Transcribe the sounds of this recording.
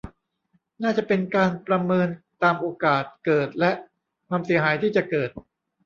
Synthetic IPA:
naː˥˩t͡ɕa˨˩pe˧nkaː˧npɾa˧mɤː˧nt̪aː˧mʔoː˧kaː˨˩t̪̚kɤː˨˩t̪̚lɛ˦˥ʔ | kwaː˧msi˩˦ɦaː˩˦jt̪ʰiː˥˩t͡ɕa˨˩kɤː˨˩t̪̚

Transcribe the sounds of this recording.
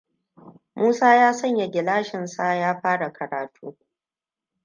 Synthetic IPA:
muː˦saː˦jaː˦sɐ˦ɲja˨ɡʲɪ˨laː˦ʃɪ˨nsa˦jaː˦ɸaː˦ɽa˨kʰɐ˨ɾaː˨tʰṵː˦

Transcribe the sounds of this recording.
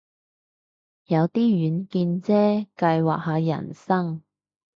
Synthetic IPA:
jɐ˨˧wt̪iː˥jyː˨˧nkiː˧nt͡sɛː˥kɐ˧jwa̰ː˨k̚ɦaː˨˧jɐ̰˨˩nsɐ˥ŋ

